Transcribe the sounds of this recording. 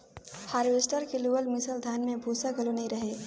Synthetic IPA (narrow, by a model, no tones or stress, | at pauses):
haːɾʋeːsʈəɾkeluəlmɪsəld̪ʱaːnmẽbʱuːsaɡʱəlonɐĩɾəɦe